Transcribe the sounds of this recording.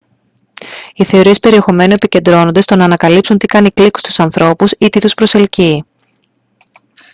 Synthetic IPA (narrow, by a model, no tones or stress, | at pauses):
iθe̞o̞ɾie̞spe̞ɾie̞xo̞me̞nue̞pice̞nd̪ɾo̞no̞nd̪est̪o̞nɐːnɐkɐlipsunt̪ikɐnikliku̥st̪u̥sɐnθɾo̞pusit̪it̪uspɾo̞se̞lci